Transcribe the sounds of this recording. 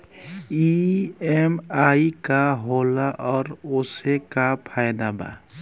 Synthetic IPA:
iemaːikaɦoːlaʔɔːɾoːsekapʰaːjd̪aba̰

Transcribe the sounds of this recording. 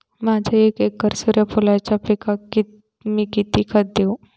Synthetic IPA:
mad͡ʒʱeekekːəɾsuɾjəpʰulajt͡ɕapikaki | mikit̪ikʰət̪̚d̪eo

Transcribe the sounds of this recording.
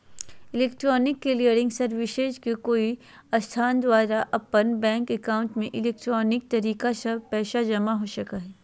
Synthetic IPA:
ɪleːkʈɾɔːnɪkːelijəɾɪ̃ŋɡsɐɾʋɪʃeːd͡ʒkekoːi | ɐst̪ʰaːnd̪ʋaːɾaʔɐpːənbɛ̃ːŋkɛkaːʊ̃ɳʈmẽʔɪleːk̚ʈɾɔːnɪk̚t̪ɐɾiːkasɐpɛːʃad͡ʒɐmaɦoːʃɐkaɦɛː

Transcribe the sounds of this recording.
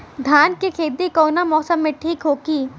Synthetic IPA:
d̪ʱaːnkikʰeːd̪ikɔːnamɔːsəmːẽʈʰiːkɦoːɡiː

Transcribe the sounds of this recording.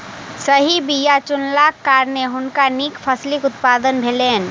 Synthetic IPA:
səɦibijat͡ʃʊnlaːkːaːɾneɦʊnkanikpʰɐslɪkʊt̪paːd̪ənbʱeːleːn

